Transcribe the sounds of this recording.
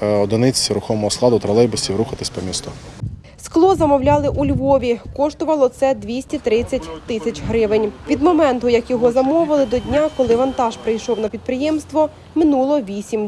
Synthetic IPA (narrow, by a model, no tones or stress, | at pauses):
ɔd̪ɪnɪt͡sʲiɾʊxɔmɔɦɔsklˠɑd̪ʊt̪ɾɐlˠɛjbɪsʲiʋɾuxɐt̪ɪsʲpɔmʲist̪ɔ | sklˠɔzɐmɔwlʲɑlˠɪʔulʲʋɔʋʲikɔʃt̪ʊʋɐlˠɔt̪sɛd̪ʋʲisʲtʲit̪ɾɪt͡sʲːɐtʲt̪ɪsʲɐt͡ʃʲɦɾɪʋɪnʲʋʲid̪mɔmɛnt̪ʊjɐkjɔɦɔzɐmɔʋɪlˠɪd̪ɔdʲnʲakɔlˠɪʋɐnt̪ɑʒpɾɪjʃɔwnɐpʲid̪̚pɾɪjɛmst̪ʋɔ | mɪnulˠɔʋʲisʲim